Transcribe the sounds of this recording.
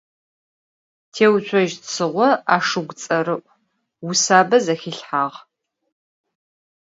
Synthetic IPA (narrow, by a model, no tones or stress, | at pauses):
tʰeːwt͡ʃʷʰɔʒtsɨʁʷɔa̰ːʂɨɡʷt͡sʼɐɾɨʔʷʼ | wʊsaːbɐzɐxiɬħaːʁ